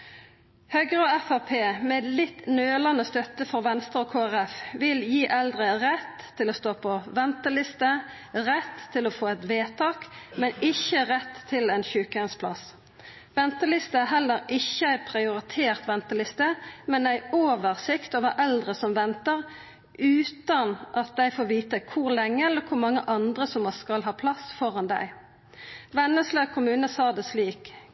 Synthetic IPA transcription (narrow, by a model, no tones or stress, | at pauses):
hœɡəɾəoːɛfæʁpʰeːmɛɛt̪lɪt̪nøːlɑnəst̪œt̪ːəfɔʁʋɛnst̪ʁoːkʰoːæʁɛfʋɪljiːʔɛld̪ʁəʁɛt̪ʰːɪloːst̪oːpʰɔʋɛnt̪əlɪst̪ə | ʁɛt̪ʰːɪloːfoːɛt̪ʋeːt̪ʰɑːkmɛnɪçəʁɛt̪ʰːɪlɛːnçʉːkɛnspʰlɑ̰s | ʋɛnt̪əlɪst̪əæɦɛlːəʁɪçːəæɪpʰɾɪʊʁɪt̪ʰeːʁt̪ʋɛnt̪əlɪst̪əmɛnæɪoːʋəʁsɪkt̪ɔʋɑːʔɛld̪ʁəsɔmʋɛnt̪əʁ | ʉːt̪ɑnʔɑt̪̚d̪æɪfoːʋiːt̪əkʰʊʁlɛŋːəɛləkʰʊmɑŋːəʔɑnd̪ʁəsɔmɑskɑlɦɑːpʰlɑsfɔʁɑnd̪æ̰ɪ | ʋɛnːəslekʰʊmʉːnəsɑːd̪ɛsliːk